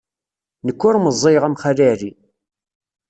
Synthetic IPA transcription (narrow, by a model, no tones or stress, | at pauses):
nəkːʊɾməzˤːeʁæmχalæɾi